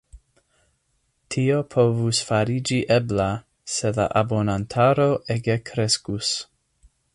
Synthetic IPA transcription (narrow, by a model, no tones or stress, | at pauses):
tʰiopʰo̞vusfaɾid͡ʒiʔebla | se̞la̰ʔabo̞nantʰaɾoʔeɡekʰɾeskus